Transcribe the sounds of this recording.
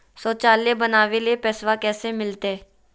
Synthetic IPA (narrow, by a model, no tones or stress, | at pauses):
sɔːt͡ʃaːleːbənaːʋeːlieːpɛːsʋaːkɛːseːmɪlt̪eː